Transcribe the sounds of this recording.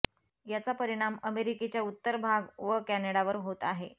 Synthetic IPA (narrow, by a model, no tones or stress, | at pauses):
jat͡sapəɾiɽ̃aməmeɾiket͡ɕjaut̪ːəɾbʱaɡʋəkæneɽaʋəɾɦot̪aɦe